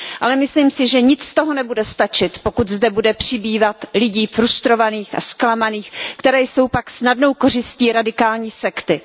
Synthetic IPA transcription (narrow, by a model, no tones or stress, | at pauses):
ʔalɛmɪsliːmsɪʒɛɲɪt͡sst̪o̞ɦonɛbudɛst̪at͡ʃɪt̪po̞kut̪zdɛbudɛpr̝̥ɪbiːvat̪lɪɟiːfɾust̪ɾo̞vaniːxa̰sklamaniːxkt̪ɛɾɛːjso̞wpaksnadnowko̞r̝ɪsciːɾadɪkaːlɲiːsɛkt̪ɪ